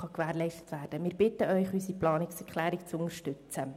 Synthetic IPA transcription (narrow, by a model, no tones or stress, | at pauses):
χɑkʋæːɾlɛɪʃtə̥tʋæːɾd̥əmɪːɾb̥ɪtːəœʏχysiplɑːnɪksɛɾkʰlæːɾɪkt͡sʊnəɾʃtɵt͡sə